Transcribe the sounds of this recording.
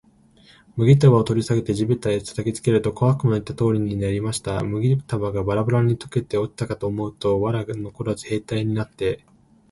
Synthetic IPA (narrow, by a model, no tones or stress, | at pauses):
mɯ̟ɡʲit̪̬aβaot̪o̞ɾʲisaɡe̞t̪e̞ʑibɯt̪ːaet͡sḁt̪akʲit͡sɨ̥ke̞ɾɯ̟t̪o̞koβakɯ̟mait̪ːat̪o̞ːɾʲiɲ̟inaɾʲimaɕi̥t̪amɯ̟ɡʲit̪abaɡabaɾabaɾaɲ̟it̪o̥ke̞t̪e̞o̞kʲi̥t̪akat̪o̞ːmo̞ɯ̟t̪o̞βaɾano̞koɾazɨhe̞ːt̪aiɲ̟inat̪ːe̞